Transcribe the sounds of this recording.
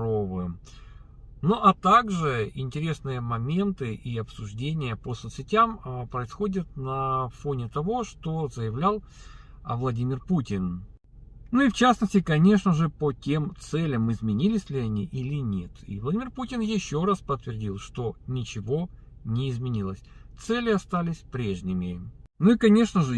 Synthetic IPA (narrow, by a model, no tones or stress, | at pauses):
ovɨm | noʔɐt̪aɡʐɨɪ̰nʲtʲɪɾʲe̞snɨjəmɐmʲe̞nt̪ɨʔiɐpsʊʐdʲenʲɪjəpəsot̪sʲɪtʲampɾəɪsxo̞dʲət̪̚nɐfonʲɪt̪ɐvo̞ʂt̪ozəjɪvlʲalˠə̰vlˠɐdʲimʲɪrputʲɪn | nuift͡ɕasnəsʲtʲɪkɐnʲe̞ʂnəʐɨpətʲe̞mt̪sɛlʲəmɨzmʲɪnʲilʲɪsʲlʲɪɐnʲiʔilʲɪnʲe̞t̪ʰḭvlˠɐdʲimʲɪrputʲɪnjɪɕːo̞ɾaspət̪ːvʲɪrdʲilˠʂt̪o̞nʲɪt͡ɕɪvo | nʲɪɪzmʲɪnʲilˠəsʲt̪sɛlʲɪɐst̪alʲɪsʲpɾʲeʐnʲɪmʲɪnuikɐnʲeʂnəʐɨ